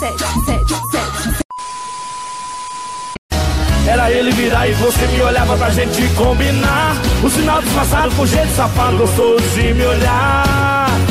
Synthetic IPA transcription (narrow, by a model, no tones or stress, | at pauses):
ɛɾɐelɪviɾaɾɪvosemɪoʎavɐpɾaʒẽt͡ʃɪkõbinaɾʊsinawd̪ʊɪspasad̪ʊkõʒejt̪ʊ̥sapat̪t̪ʊst̪od̪ʊzɪmɪoʎa